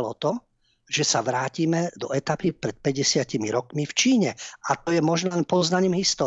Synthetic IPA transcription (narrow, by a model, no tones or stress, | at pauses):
lɔt̪ɔ | ʒ̥ɛsaʋɾaːciːmɛd̪ɔɛt̪apipɾɛt̪̚pɛɟɛsɪacimiɾɔkmift͡ʃiːɲɛat̪ɔjɛmɔʒnɔlɛnpɔznaɲiːmɦist̪ɔː